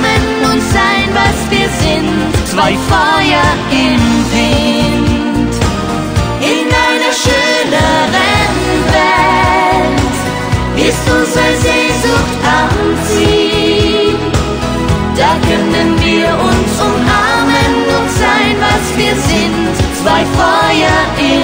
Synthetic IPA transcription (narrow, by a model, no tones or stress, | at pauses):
mənʊntz̥aɪnvasv̥iːɐzɪnttːv̥aɪfɔɐ | ɪmvɪn | t | ʔɪnʔaɪnəʃøːnəvɛnvɛ | lt | ʔɪstʊnzəzeːzʊxttʔant͡siː | d̥aːkʰœnənviːɐʔʊnsʔʊmʔaɐmənːʊz̥aɪnvasv̥iːɐzɪntt͡sv̥aɪfɔʏɐʔɪ